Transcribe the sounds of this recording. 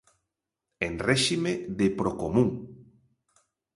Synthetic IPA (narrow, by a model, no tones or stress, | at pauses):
enrɛʃimeðepɾokomũŋ